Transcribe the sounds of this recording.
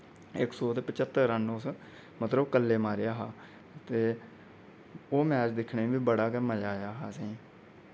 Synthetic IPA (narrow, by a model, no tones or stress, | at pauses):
ɪksɔːt̪eːpət͡ʃət̪ːəɾɾənʊs | mət̪ləbkəlːeːmaːɾejaːɦaː | t̪eː | oːmɛːt͡ʃd̪ɪkʰneːʋiːbəɽaːkɛːməd͡ʒaːjaːɦaːsẽː